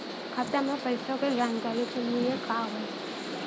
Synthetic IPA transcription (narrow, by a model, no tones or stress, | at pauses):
kʰat̪amẽpəɪsõkeɡɾaːnkaːɾikeliekaːɦõ